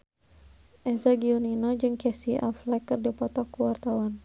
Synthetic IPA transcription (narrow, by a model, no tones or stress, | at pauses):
ʔɛzaɡiuninɔd͡ʒɨŋkɛsiʔa̰flɛkːɨrdipɔt̪ɔkuwart̪awan